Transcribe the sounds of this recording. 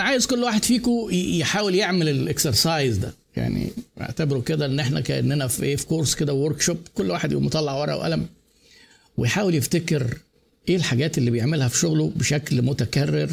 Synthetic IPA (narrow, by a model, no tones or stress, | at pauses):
ʕaːjezkolːwaːħed̪fiːkojeħaːweljeʕmelelʔekseɾsɑjzd̪æ̰ | ja̰ʕnḭḛʕt̪æbeɾuked̪æʔenːʔeħnæ̰kæʔḛnːʔænæfʔeːfi̥koɾsked̪æwoɾˤkʃopkolːwaːħed̪ʔḭæ̰mot̪ˤɑlːɑʕwɑɾˤʔɑ̰ʔwʔæ̰læm | wḛjħaːweljeft̪ækeɾ | ʔeːlħaɡæːt̪ʔelːiːbejeʕmelhæfi̥ʃoɣlobeʃæklmot̪ækærːeɾ